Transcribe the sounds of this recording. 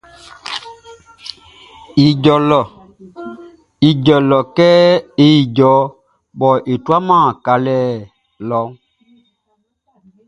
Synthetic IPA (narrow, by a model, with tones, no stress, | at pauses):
i˨ɟɔ˨lɔ˨ | i˨ɟɔ˨lɔ˨kɛ˦e˦i˨ɟɔ˨˦ | bɔ˨ʔe˨twa˦mã˦˨ka˨lɛː˦˨ | lɔ˨˦ŋ